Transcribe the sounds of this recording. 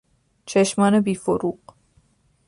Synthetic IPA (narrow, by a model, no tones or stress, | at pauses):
t͡ʃʰeʃmɑːnɛbifoɾuq